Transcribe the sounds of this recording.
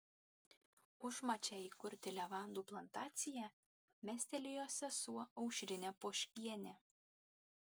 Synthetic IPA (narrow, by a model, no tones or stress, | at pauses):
ʊʒmɑt͡ʃʲɛikʊɾʲt̪ʲɪlʲɛʋɑnd̪uplˠɐnt̪ɑːt̪sʲɪjæ | mʲæsʲt̪ʲɛlʲɪjoːsʲɛsuɒʊʃʲɾʲɪnʲɛpoʃʲkʲiɛnʲɛ